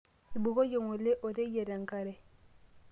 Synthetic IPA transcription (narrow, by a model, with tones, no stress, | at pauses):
i˨bo˨ɣo˦jo˨ŋo˨le˦ʔo˨ɾe˦je˨ɾa˨ŋ˨ka˨ɾɛ˨